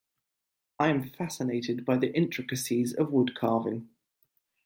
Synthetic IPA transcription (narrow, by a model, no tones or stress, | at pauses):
ʔaɪə̃ɱfasɪneɪtɪd̚baɪðiʔɪ̃nt͡ʃɹ̥ɪkəsizə̰vwʊdkʰɑːvɪ̰̃n